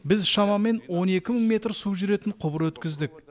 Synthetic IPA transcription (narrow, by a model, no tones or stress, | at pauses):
bɪzʃɑmɑme̞nwo̞ne̞kʲɪməɴmʲe̞t̪rsuwʒʏɾe̞t̪ɪnqʰʊbəɾwɵt̪kʲɪzd̪ɪk̚